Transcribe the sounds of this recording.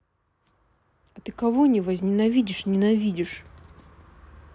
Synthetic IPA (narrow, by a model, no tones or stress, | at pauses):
ɐt̪ɨkɐvonʲɪvəzʲnʲɪnɐvʲidʲɪʂnʲɪnɐvʲidʲɪʂ